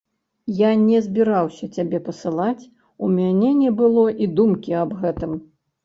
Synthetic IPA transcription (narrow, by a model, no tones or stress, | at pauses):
janʲɛzʲbʲiɾawsʲɐt͡sʲabʲɛpɐsɨlˠat͡sʲ | umʲanʲɛnʲɛbɨlˠɔʔid̪umkʲiɐbɣɛt̪ɨm